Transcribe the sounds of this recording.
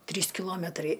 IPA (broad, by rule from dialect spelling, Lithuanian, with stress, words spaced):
ˈtʲrʲiːs kʲɪˈlˠoːmʲɛtrɐɪ